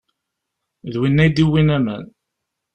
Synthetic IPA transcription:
ðwinːæjd̪iwːinæmə̰n

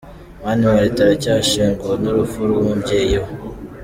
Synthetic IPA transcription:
maniwaɾitaɾacaːʃiːŋɡonuɾufuɾɡomubɟeːjo

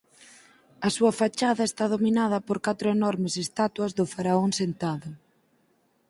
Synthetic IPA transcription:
ɐsuɐfat͡ʃaðɐest̪að̞ominað̞ɐpoɾkat̪ɾʊenɔɾmɪsest̪at̪wɐzðʊfaɾaoŋsent̪aðʊ

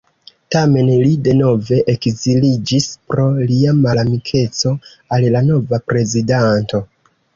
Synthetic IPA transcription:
tame̞nlide̞no̞ve̞ʔekzilid͡ʒispɾo̞liamalamikʰe̞t͡so̞ | allano̞vapɾe̞zidanto̞

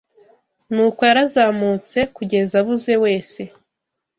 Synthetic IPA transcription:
nuːkwojaɾazaːmut͡se̞kuɟe̞zaβuze̞we̞ːse̞

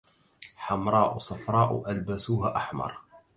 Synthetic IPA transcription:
ħamɾˤɑːʔusˤɑfɾˤɑːʔʊ̰ʔælbæsuːɦaʔaħmɑ̰ɾˤ

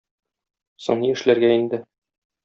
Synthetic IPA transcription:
sŏ̰ɴniɘ̆ʃlæɾɡæind̪ɘ

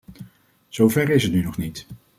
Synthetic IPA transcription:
z̥owvɛɹɪsətnynɔχnit

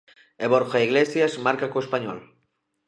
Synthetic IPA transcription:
eβoɾxaiɣlesjazmaɾkakoespaɲɔ̰l

